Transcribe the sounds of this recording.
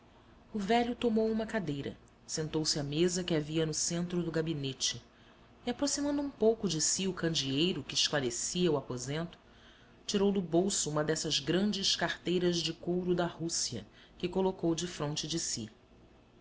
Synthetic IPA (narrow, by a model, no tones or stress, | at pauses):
ʊvɛʎʊt̪omowũmɐkad̪ejɾɐ̰ | sẽnt̪owsɪamezɐkɪaviɐnʊsẽnt̪ɾʊd̪ʊɡabinet͡ʃɪ | iapɾosimɐ̃nd̪ʊũpowkʊd͡ʒɪsiʊkɐ̃nd͡ʒiejɾʊkɪːʃklaɾesiɐuapozẽnt̪ʊ̥ | t͡ʃiɾowd̪ʊbowsʊũmɐd̪ɛsɐzɡɾɐ̃nd͡ʒɪʃkaɾt̪ejɾɐzd͡ʒɪkowɾʊd̪ɐhusiɐ̰ | kɪkolokowd͡ʒɪfɾõnt͡ʃɪd͡ʒɪsḭ